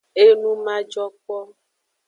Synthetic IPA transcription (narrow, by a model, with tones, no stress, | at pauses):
e˦nũ˦mã˦d͡ʒɔ˦k͡pɔ˦